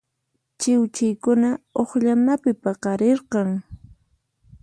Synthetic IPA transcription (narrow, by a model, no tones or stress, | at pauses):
t͡ʃɪwt͡ʃɪjkʊnaoχʎamnapɪpɑqɑɾeɾqɑŋ